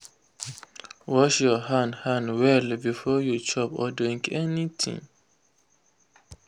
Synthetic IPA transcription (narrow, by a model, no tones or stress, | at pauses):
wɔʃjɔɦãndhãndwɛlbifɔjut͡ʃʰɔpɔ̰dĩŋkɛnitʰḭ̃ŋ